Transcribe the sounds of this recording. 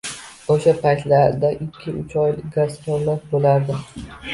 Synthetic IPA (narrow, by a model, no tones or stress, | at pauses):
oʃapʰajt̪laɾd̪aʔɪkʲʰːɪʔʊt͡ʃʰɒjlɪɡaspolafbolaɾd̪ɪ